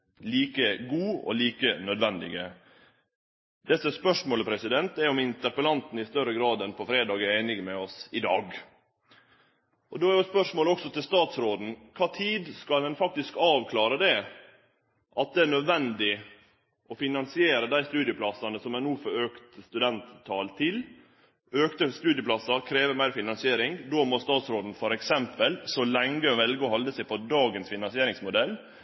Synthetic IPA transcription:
liːkəɡuːɔ̰liːkənœd̪ʋɛnd̪ɪ̰ɡə | d̪̥ɛsəspœʂmoːləpʰɾɛsɪd̪ɛnt̪ɛɾɔmɪnt̪əɾpəlɑnt̪n̩ɪst̪œɾəɡɾɑːd̪ɛnpʰɔfɾeːd̪ɑːɡæɾeɪnɪɡmɛɔsɪd̪ɑ̰ːɡ | ʔɔd̪oːæɾjʊspœʂmoːlɔksɔt̪ɪlst̪ɑːt̪sɾoːd̪n̩kʰɑːt̪ʰiːd̪skɑlɛnfɑk̚t̪ɪskɑːʋkʰlɑːɾəd̪ɛ | ʔɑt̪̚d̪ɛæɳœd̪ʋɛnd̪ɪ | ʔɔfɪnɑnsɪeːɾəd̪æɪst̪ʉːd̪jəpʰlɑsɑnəsɔmænuːfɔɾøːkt̪st̪ʉd̪ɛnt̪ʰːɑːlt̪ʰɪl | øːkt̪əst̪ʉːd̪jəplɑsɑkʰɾeːʋəmæɪɾfɪnɑnsɪeːɾɪŋd̪oːmɔst̪ɑːt̪sɾoːd̪n̩fɔɾɛksɛmpəlsɔlɛŋɡəʋɛlɡɔhɑld̪əsæɪpʰɔd̪ɑːɡənsfɪnɑnsɪeːɾɪŋsmʊd̪ɛlː

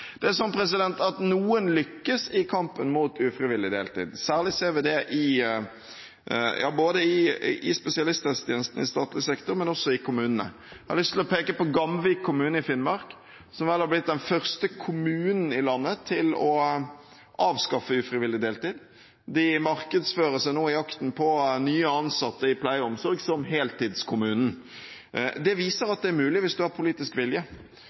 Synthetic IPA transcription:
d̪̥ɛæsɔnpʰɾɛs̬ɪd̪ɛnt̪ɑt̪nuːənlʏkːəsɪkʰɑmpənmut̪ʉːfɾɪʋɪlːɪd̪eːlt̪ḭːd̪sæːʁlɪseːɾʋɪd̪ɛʔɪ | jʔɑ̰ːboːd̪əɪɪspɛsɪɑlɪst̪ɛst̪ʰjɛːnəst̪n̩ɪst̪ɑːt̪lɪsɛkt̪ɔɾmɛnɔsːɔɪkʰʊmʉːnənə̰ | ɑhɑlʏst̪ʰɪlɔpʰeːkəpɔɡɑmʋɪkʰːʊmʉːnəɪfɪnmɑɾk | sɔmʋɛːlhɑɾblɪt̪̚d̪ɛnfœʁst̪əkʰʊmʉːnn̩ɪlɑnːət̪ʰɪlɔ | ʔɑːʋskɑfːəʉfɾɪʋɪlːɪd̪eːlt̪iːd̪ | d̪ɪmɑɾkəd̪sføːɾəsæɪnoːɪɑkt̪n̩pʰɔnyːəɑnsɑt̪ːəɪpʰlæɪɔmsɔɾɡsɔmɦeːlt̪iːd̪skʰʊmʉːnn̩ | d̪ɛʋiːsəɾɑt̪̚d̪ɛæɾmʉːlɪʋɪsd̪ʉɑɾpʰʊliːt̪ɪskʋɪljə

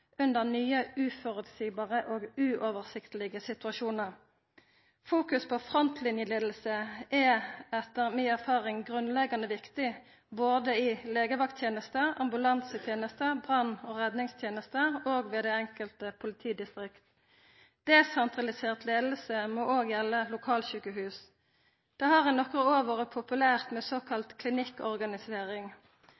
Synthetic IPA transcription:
ʉnd̪əʁnyːəʉːfɔʁʉt̪siːbɑːʁəʔoːɡʉːʔɔʋəʁsɪkt̪lɪɡəsɪt̪ʉɑʃuːnəʁ | fuːkʉspʰɔfʁɔnt̪ʰlɪnjəleːd̪l̩səʔɛɛt̪ːəʁmiːæʁfɑːʁɪŋɡʁʉnlɛɡɑnəʋɪkt̪ɪ | boːd̪əɪleːɡəʋɑkt̪ʰjeːnəst̪əɑmbʉlɑnsət̪ʰjeːnəst̪əbʁɑnoːʁɛd̪nɪŋst̪ʰjeːnəst̪əoːɡʋeːd̪ɛɛŋkəlt̪əpʰʊlɪt̪ʰiːd̪ɪst̪ʁɪkt̪ | d̪̥ɛːsɛnt̪ʁɑlɪseːʁt̪leːd̪l̩səmɔʔoːɡjɛlːəlʊkʰɑːlçʉːkəɦʉːs | d̪̥ɛhɑʁɛnɔkʁəoːʋəʁəpʰʊpʉlæːʁt̪mɛsoːkʰɑlt̪kʰlɪnɪkːɔʁɡɑnɪseːʁɪŋ

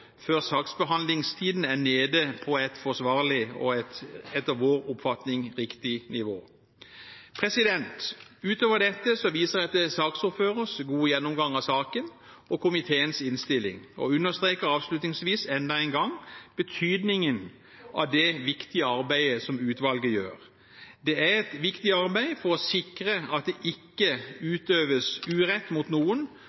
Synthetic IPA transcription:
føːʁsɑːksbəɦɑnd̪lɪŋst̪ʰiːd̪n̩æʁneːd̪əpʰɔɛt̪fɔsʋɑːʁlɪɔ̰ɛt̪ɛt̪ːɑʋʋoːʁʊpfɑt̪nɪŋʁɪkt̪ɪnɪʋoː | pʰʁɛsɪd̪ɛnt̪ʉːt̪oːʋəʁd̪ɛt̪ːəsɔʋiːsəʁɛɑt̪d̪əsɑːksʊføːʁəsɡuːəjɛnːʊmɡɑŋɑʋsɑːkən | ɔkʰʊmɪt̪ʰeːənsɪnst̪ɪlːɪ̰ŋɔ̰ʉnːəst̪ɾeːkəɾɑːʋslʉt̪nɪŋsʋiːsɛnd̪ɑæɪnɡɑŋb̥ət̪ʰyːd̪nɪŋən | ʔɑ̰ʋd̪ɛʋɪkt̪ɪəɑɾbæɪəsɔmʉːt̪ʋɑlɡəjø̰ːʁ | d̪ɛæʁɛt̪ʋɪkt̪ɪɑɾbæɪfɔɾɔsɪkɾəɑt̪̚d̪ɛʔɪkːəʉːt̪øːʋəsʉːɾɛt̪ːmuːt̪nuːən

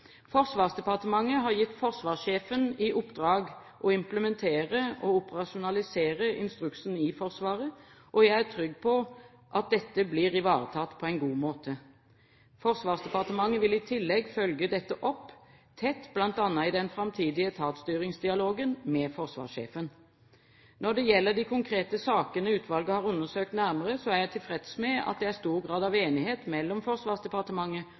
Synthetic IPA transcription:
fɔʁsʋɑːʁsd̪ɛpɑʁt̪əmɑŋːəɦɑːʁjɪt̪ːfɔʁsʋɑːʁseːfənɪʔʊpːd̪ʁɑːɡ | ʔɔɪmpləmɛnt̪ʰeːʁəʔɔʊpəʁɑʃʊnɑlɪseːʁəʔɪ̰nst̪ʁʉksn̩ɪfɔʁsʋɑːʁə | ʔɔjæɪæt̪ʰʁʏɡːpʰɔ | ʔɑt̪̚d̪ɛt̪ːəbliːʁɪʋɑːʁət̪ʰɑt̪ːpʰɔɛɪnɡuːmoːt̪ʰə | fɔʁsʋɑːʁsd̪ɛpɑʁt̪əmɑŋːəʋɪlɪt̪ʰɪlːɛɡfœlɡəd̪ɛt̪ːəʔɔpː | t̪ʰɛt̪ːblɑnt̪ɑnːɑɪd̪ɛnfɾɑmt̪ʰiːd̪ɪət̪ʰɑːt̪st̪yːɾɪŋsd̪ɪɑloːɡənmɛfɔʁsʋɑ̰ːʁsḛːfən | nɔd̪ɛjɛlːəd̪ɪkʰʊŋkʰɾeːt̪əsɑːkənəʉːt̪ʰʋɑlɡəhɑːʁʉnːəsøːk̚t̪næʁməʁəsɔæʁjæɪt̪ʰɪlfʁɛt̪smɛɑ̰t̪̚d̪ɛæɾst̪uːʁɡʁɑːd̪ɑʋeːnɪheːt̪mɛlːɔmfɔʁsʋɑːʁsd̪ɛpɑʁt̪əmɑŋːə

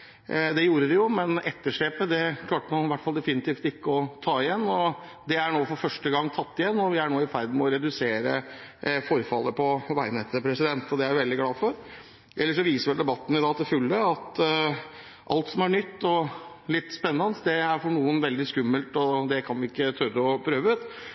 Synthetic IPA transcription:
d̪ɛjuːɾəd̪ɪjʊmɛnɛt̪ːəʂɭɛːpəd̪ɛkʰlɑːʈəmɑnʋæʈːfɑld̪ɛfɪnɪt̪iːft̪ɪkːəɔt̪ʰɑːɪjɛnːɔ | d̪ɛæɳoːfɔɾfœʂʈəɡɑŋːt̪ʰɑt̪ːɪjɛnːɔʋɪæɳoːɪfæɾd̪n̩mɛɔɾɛd̪ʉseːɾəfɔɾfɑlːəpʰɔʋæɪnɛt̪ʰəpʰɾɛsɪd̪ɛnt̪ɔd̪ɛæɾjʊʋɛld̪ɪɡlɑːfɔɾ | ʔɛlːəʂɔʋiːsəɾʋɛld̪ɛbɑt̪ːən̩ɪd̪ɑːt̪ʰɪlfʉlːəɑt̪ | ʔɑ̰lt̪sɔmæɳʏt̪ːɔ | lɪt̪ːspɛnːɑnəsd̪ɛæɾfɔɳuːənʋɛld̪ɪskʉmːəlt̪ɔd̪ɛkʰɑnʋɪɪkːət̪ʰœɾəɔpʰɾøːʋəʉːt̪

